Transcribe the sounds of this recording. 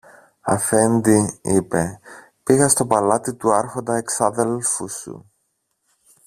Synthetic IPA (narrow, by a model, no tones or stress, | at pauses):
ɐ̰fe̞nd̪iipe̞ | piɣɐst̪o̞pɐlɐt̪it̪uɐɾxo̞nd̪ɐeksɐðe̞lfusṵ